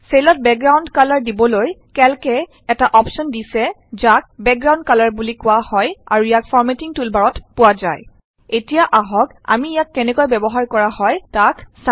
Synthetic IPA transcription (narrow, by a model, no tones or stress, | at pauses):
selɔt̚bɛkɡɹawndkalaɹdibɔlojkɛlkɛ | ɛtaʔɔpsɔndisɛ | zak̚bɛk̚ɡɹaw̃nd̚kalaɹbulikʊahɔja̰ɹujakfʰɔɹmetiŋtulbaɹɔtpʊwaza̰j | etijaʔaɦɔk | a̰mijakːɛnɛkojbɛbɔɦaɹkɔɹahɔjtaksa